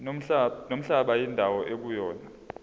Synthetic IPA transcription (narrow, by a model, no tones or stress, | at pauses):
nom̩ɬaɓajindʱawɔʔek̬ujɔːna